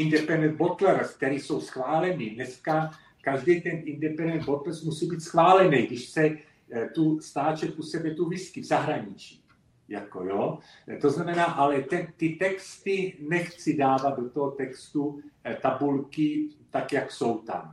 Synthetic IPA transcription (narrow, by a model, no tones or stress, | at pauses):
indɛpɛndɛnbot̪lɛɾsk̚t̪ɛɾiːso̞wsxvaːlɛnidnɛska | kaʒdɛjt̪ɛnʔindɛpɛndɛnbot̪lsmusiːbiːt̪sxvaːlɛnɛjɡdɪʃsɛ | t̪ust̪aːt͡ʃɛt̪̚usɛbɛt̪uvɪskivzaɦɾaɲit͡ʃiː | jako̞̰joː | t̪o̞znamɛnaːʔalɛt̪ɛnt̪ɪt̪ɛkst̪ɪnɛxt͡sɪdaːvat̪̚do̞t̪oɦot̪ɛkst̪ut̪abulkɪt̪akjakso̞wt̪a̰m